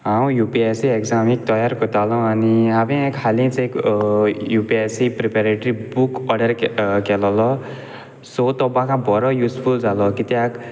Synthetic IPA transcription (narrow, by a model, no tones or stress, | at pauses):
ɦaw̃jupiesiekzamik̚t̪ʌjarkot̪alɔ̃aniabẽkʰalĩt͡sai | jupiesiprepaɾeʈɾibukʌɖʌrkelɔlʌ | sot̪ɔbãkãbɔɾʌjuspʰuld͡zalɔkit̪jak